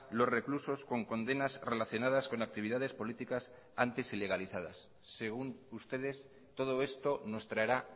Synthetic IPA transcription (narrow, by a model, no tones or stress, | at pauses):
lo̞sre̞kluso̞sko̞ŋko̞nd̪e̞nazre̞laθjo̞nað̞asko̞nak̚t̪iβiðað̞e̞spo̞lit̪ikas | ant̪isile̞ɣ̞aliθað̞asː | e̞ɣ̞unust̪e̞ð̞e̞s | t̪o̞ð̞o̞e̞st̪o̞no̞st̪ɾaeɾa